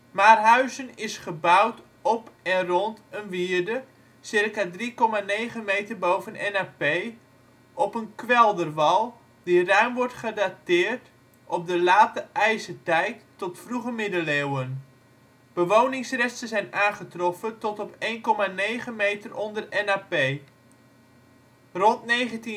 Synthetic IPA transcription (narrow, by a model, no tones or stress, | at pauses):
maːrɦœɥzənɪsχəbʌwt | ɔpɛnrɔntənʋiːərdə | sɪrkadrikɔmanejχəmejtərbowvənɛnaːpej | ʔɔpənkʋɛlˠdərʋɑlˠ | dirœɥmʋɔɹtχədatɪːrt | ʔɔp̚dəlaːtəʔɛjsətɛjtː | ɔtfruχəmɪdəlewən | b̥əʋownɪŋsrɛstəzɛjnaːnχətrɔfətɔtɔpejnkɔmanejχəmejtərɔndərɛnaːpej | rɔntnejχənti